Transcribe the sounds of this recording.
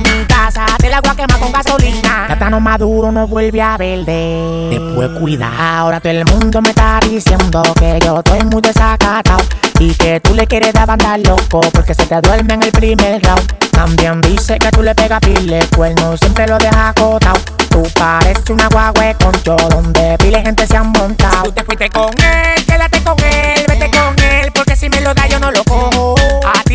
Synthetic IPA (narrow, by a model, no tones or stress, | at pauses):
mikasat̪elaɣwakemako̞ŋɡaso̞linaat̪ano̞maðuɾo̞no̞βwe̞lβjeaβe̞ld̪e | t̪epwekwiða̰o̞ɾat̪oelmũnd̪o̞me̞t̪aðisje̞nd̪o̞keʝo̞t̪o̞jmũjðe̞sakat̪awike̞t̪ule̞kje̞ɾeðeβand̪aɾlo̞kopo̞ɾke̞se̞t̪eðwe̞ɾmeŋelpɾimeɾrawkambjand̪ise̞ke̞t̪ule̞pe̞ɣapilekwelnoisje̞mpɾelo̞ðe̞hako̞t̪aw | t̪upaɾe̞sunaɣwaɣwe̞kont͡ʃoðond̪e̞pilehe̞nt̪e̞seaŋmõnt̪aout̪efwist̪ekoŋelkeðat̪e̞ko̞ŋelβet̪ekoŋelpo̞ɾke̞simelo̞ðaʝo̞nolokohoat̪i